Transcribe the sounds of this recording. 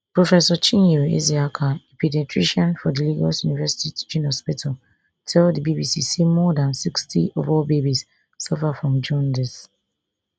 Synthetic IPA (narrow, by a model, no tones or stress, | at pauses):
pɹɔfɛsɔt͡ʃĩneḛziakʰaepidɛtʰɹiʃɔ̃nfɔdiliɡasjunivɛsi̥titd͡ʒunɔspitʰɔ | tʰɛldibibisisimɔdãnsikstḭʔɔvɔlbebis | sɔfafɹɔ̃md͡ʒɔ̃ndɛs